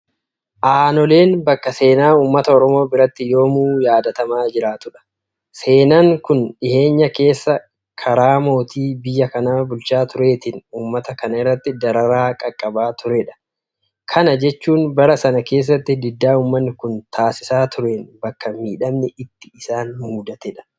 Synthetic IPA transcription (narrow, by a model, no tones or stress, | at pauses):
ʔaːnɔle̞ːnbɐkːɐse̞ːnaːuːmːɐt̪ɐɔɾɔmo̞ːbɪɾɐt̪ːɪjo̞ːmuːjaːd̪ɐt̪ɐmaːd͡ʒɪɾaːt̪ʊᶑɐ̥ | se̞ːnaːŋkʊnᶑɪhe̞ːɲːɐke̞ːsːɐ | kʰɐɾaːmo̞ːt̪iːbɪjːɐkɐnaːbʊlt͡ʃaːt̪ʊɾe̞ːt̪ɪnuːmːɐt̪ɐkɐnɐɪrːɐt̪ːɪd̪ɐɾɐɾaːkʼɐkʼːɐbaːt̪ʊɾɛᶑɐ̥ | kʰɐnɐd͡ʒɛt͡ʃːuːnbɐɾɐsɐnɐke̞ːs̬ːɐt̪ːɪd̪ɪd̪ːaːuːmːɐnːɪkʊnt̪ʰaːsɪsaːt̪ʊɾe̞ːnbɐkːɐmiːᶑɐmnɛɪt̪ːɪ̥ɪsaːnhuːd̪ɐt̪ɛᶑɐ̥